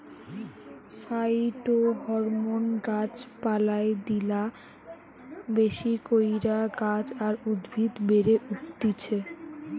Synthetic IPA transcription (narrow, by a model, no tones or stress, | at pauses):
ʃajʈoɦɔɾmonɡat͡ɕpalaed̪ila | beʃikojɾaɡad͡ʑaɾud̪bʱit̪beɾeʔuʈt̪it͡ɕʰe